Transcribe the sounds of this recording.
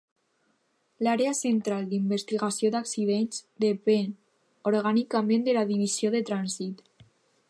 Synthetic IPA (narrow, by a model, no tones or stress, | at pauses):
laɾeasent̪ɾalˠd̪imbest̪iɣasioðaksiðenzd̪epen | oɾɣanikamẽnd̪elaðiβizioðet̪ɾanzit̪